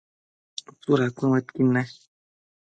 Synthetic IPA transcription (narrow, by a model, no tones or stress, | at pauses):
t͡suɾakʷĩwet̪kina